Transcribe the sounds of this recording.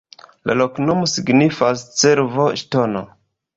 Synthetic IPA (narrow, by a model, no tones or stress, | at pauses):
la̰loknomosiɡnifast͡seɾvo̞ʃtono̰